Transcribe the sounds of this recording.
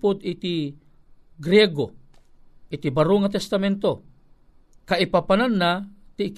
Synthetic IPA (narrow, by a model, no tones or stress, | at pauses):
pod̪it̪i | ɡɾɛɡo | ʔit̪ibaɾuŋat̪ɛst̪amɛnt̪o | kaʔɪpapananːat̪ik